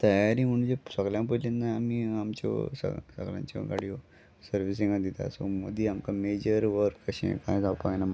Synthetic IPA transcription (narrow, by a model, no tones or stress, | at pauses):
t̪əjaɾiːm̤əɽ̃ũd͡ʑesəɡljãpəlenːajamiːamt͡ɕɔ̰sə̰sə̰ɡljã̰ɲt͡ɕɔ̰ɡa̰ɽio | səɾʋis̬ĩŋɡad̪it̪a̰so̰mod̪iːamkamed͡ʑəɾʋəɾkːəɕḛ̃kãjd͡zawpana